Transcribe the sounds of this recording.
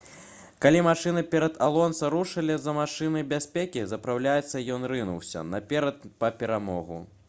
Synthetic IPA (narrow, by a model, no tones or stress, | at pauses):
kalʲimaʂɨnɨpʲɛɾɐd̪alˠɔnsɐɾuʂɐlʲizɐmaʂɨnɨbʲasʲpʲekʲizɐpɾawlʲajɛt̪sːɐjɔnrɨnuwsʲɐ̰nɐpʲɛɾɐt̪̚pɐpʲɛɾamɔɣṵ